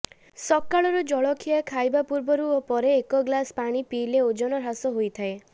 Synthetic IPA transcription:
sɔkːaɭɔɾud͡ʒɔɭɔkʰijakʰajbapuɾbɔɾuɔpɔɾeːkɔɡlaspaɽ̃ipiːleod͡ʒɔñɔɾasɔɦojt̪ʰae

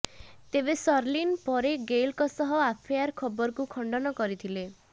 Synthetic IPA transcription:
t̪ebesɔɾlinpɔɾeɡelkɔsɔɦɔapʰijaɾkʰɔbɔɾɔkukʰɔɳɖɔnɔkɔɾit̪ʰile

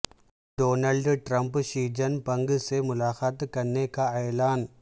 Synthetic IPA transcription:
ɖoːnɐlɖʈɾɐmpʃiːd͡ʒɐnpɐŋɡɯseːmʊlaːxaːt̪kɐnːeːkaɐjɐlaːn

